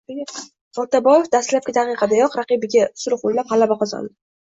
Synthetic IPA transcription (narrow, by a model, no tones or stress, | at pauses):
ɒlˠt̪abɒjefd̪ast̪lap̚kʲɪt̪ʰaqɨqʰɑd̪ajɒqɾɑqɨbɪɡʲasʊɾʊqojlaphalabaqɒza̰nd̪ɪ